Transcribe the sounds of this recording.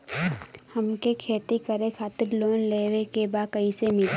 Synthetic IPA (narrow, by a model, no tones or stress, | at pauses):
həmkekʰeːt̪ikəɾekʰaːt̪ɪɾloːnleːwekebakəisemɪl